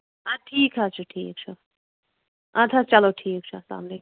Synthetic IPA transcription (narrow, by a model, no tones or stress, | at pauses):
aʈʰiːkɦat͡ʃʰuʈʰḭːk̚t͡ʃʰu | at̪ʰat͡ʃɐloʈʰiːk̚t͡ʃʰusa̰ːmle